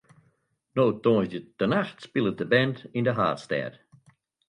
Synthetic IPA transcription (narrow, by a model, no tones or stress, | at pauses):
noːtɔ̃ːzdəd̥ənaxtspɪlˠət̚dəbɛ̃ndɪ̃ndəɦa̰ːtstɛ̰ːd̥